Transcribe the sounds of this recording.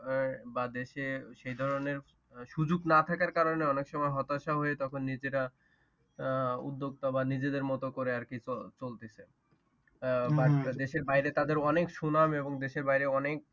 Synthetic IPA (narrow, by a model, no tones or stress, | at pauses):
bad̪eʃeʃejd̪ʱɔɾoneɾ | ʃud͡ʑuɡnat̪ʰakaɾkaɾoneɔnekʃɔmɔeɦɔt̪aʃaɦoet̪ɔkʰonːid͡ʑeɾa | ṵd̪ːoɡ̚t̪obanid͡ʑed̪eɾmɔt̪okoɾeaɾkit͡ɕolt̪et͡ɕʰe | bad̪eʃeɾbajɾet̪ad̪eɾɔnekʃunameboŋd̪eʃeɾbaɦjɾeɔnek̚